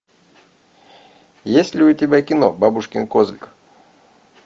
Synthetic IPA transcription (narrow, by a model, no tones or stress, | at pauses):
jesʲtʲlʲɪʊt̪ʲɪbʲakʲɪno̰babʊʂkʲɪnkozʲlʲk